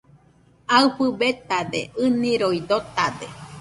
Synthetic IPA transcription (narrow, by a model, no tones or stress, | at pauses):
aɨɸɨbet̪ad̪ḛɨnĩɾoid̪ot̪ad̪e